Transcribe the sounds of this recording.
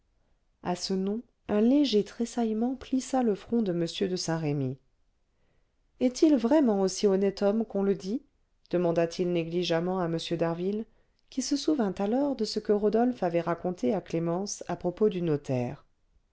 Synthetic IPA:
asənɔ̃ | ɛ̃leʒet̪χesajmɑ̃plisaləfχɔ̃d̪əməsjød̪əsɛ̃ʁemi | ɛt̪ʰilvʁɛmɑ̃osiɔnɛt̪ɔmkɔ̃ləd̪i | d̪̥əmɑ̃d̪at̪ʰilneɡliʒamɑ̃aməsjød̪aʁvil | kʲisəsuvɛ̃t̪alɔʁd̪əsəkəʁod̪ɔlfavɛʁakɔ̃t̪ʰeaklemɑ̃sapχɔpod̪ynɔt̪ʰɛ̰ːʁ

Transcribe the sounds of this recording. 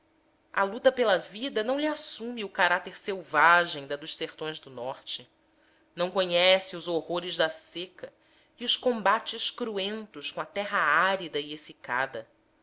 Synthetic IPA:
ɐ̰lut̪ɐpelɐvid̪ɐnɐ̃w̃liasũmiʊkaɾat̪eɾsewvaʒẽj̃d̪ɐd̪ʊʃseɾt̪õj̃zd̪ʊnɔχt͡ʃɪ | ñw̃koɲɛsiʊzohoɾɪzd̪ɐsekɐ | iʊskõmbat͡ʃɪskɾuẽnt̪ʊskõɐt̪ɛɦɐaɾid̪ɐiesika̰d̪ɐ

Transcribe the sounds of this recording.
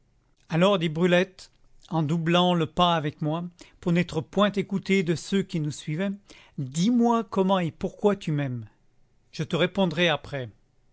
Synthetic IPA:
alɔʁd̪ibʁylɛt̪ | ɑ̃d̪ublɑ̃ləpaavɛkmwapuʁnɛt̪χəpwɛ̃t̪ekut̪ed̪əsøkʲinusɥivɛ | d̪imwakɔmɑ̃epuʁkwat̪ymɛm | ʒ̥ət̪əʁepɔ̃d̪ʁɛapχɛ

